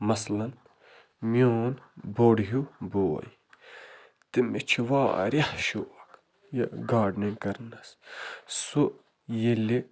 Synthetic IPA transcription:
mɐslɐn | mjoːnboɽɦuboːɐ̰j | t̪imet͡ʃʰiʋa̰ːɾjɐhʃoɐk | jɐɡaːɖnenkɐɾnɐssu | jeli

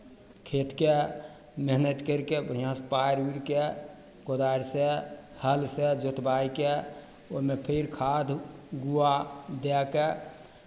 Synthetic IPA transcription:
kʰet̪ke | məɦnət̪kəɾkebəijãspaɾiɾke | kod̪aɾse | həlsed͡ʒot̪baike | o̰mepʰiɾkʰad̪ʱɡuad̪ɛke

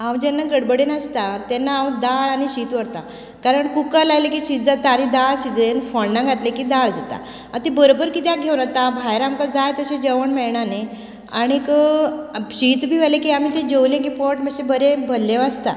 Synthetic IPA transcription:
ãwd͡ʑɛnːaɡəɽbəɽenəst̪at̪ɛnːaːwd̪aɭaɽ̃iɕiːt̪ʋəɾt̪a | kaɾəɳkukalajlekiɕit̪̚d͡zat̪aːɽ̃id̪aɭɕid͡zenfɔɳːaɡʱat̪lekiːd̪aɭd͡zat̪a̰ | at̪ebəɾobəɾkit̪jaɡʱewnat̪abʱajɾamkad͡zajt̪əɕẽd͡ʑəʋəɳmɛɭɳane | aɽ̃ikə | ɕit̪bʱiːʋalekiːamiːt̪ed͡ʑəwlẽk̬ipɔʈməɕebəɾebʱəlːẽʋəst̪a̰

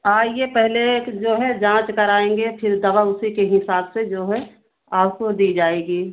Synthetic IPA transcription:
aːjepɛɦled͡ʒoːɦɛd͡ʒãːt͡ʃkəɾaːẽːŋɡepʰɪɾd̪ɐʋaʊsikeɦɪsaːbsed͡ʒoːɦɛ | aːp̚kod̪iːd͡ʒaːeːɡiː

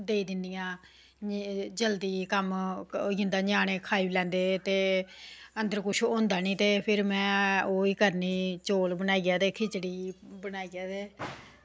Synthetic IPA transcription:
d̪eːiːd̪ɪnd̪ɪjãː | d͡ʒəld̪iːkəmɪ̃nd̪aːɲaːɳeːkʰaːilɛ̃ːnd̪eːt̪eː | ənd̪əɾkʊt͡ʃʰõːnd̪aːnĩːt̪eːpʰɪɾmɛ̃ːoːiːkəɾniːt͡ʃoːlbənaːiːɡaːt̪eːkʰɪt͡ʃɽiːbənaːiːɡaːt̪eː

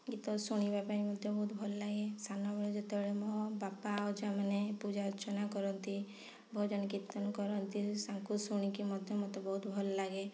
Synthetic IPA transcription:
ɡit̪ɔsuɽ̃ibapaɾimɔd̪ʱjɔbɔɦut̪bʱɔllaɡesʰanɔbʱɔɭɔd͡ʒet̪ebɔɽemɔbapaɔd͡ʒamanepud͡ʒaɾɔt͡ʃɔnakɔɾɔnt̪i | bʱɔd͡ʒɔnkit̪ːɔnkɔɾɔnt̪isaŋkusuɽ̃ikimɔd̪ʱjɔmɔt̪ɔbɔɦut̪bʱɔllaɡe

